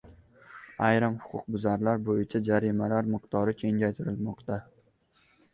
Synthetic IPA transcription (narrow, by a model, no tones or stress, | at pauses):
ajɾamhʊ̥qʰʊ̰q̚bʊzaɾlaɾbojɪt͡ʃʰad͡ʒaɾɪmalaɾmɪqt̪ʰɒɾɪkʲʰe̞ŋd͡ʒʲajt̪ʰɪɾɪlmɒqt̪a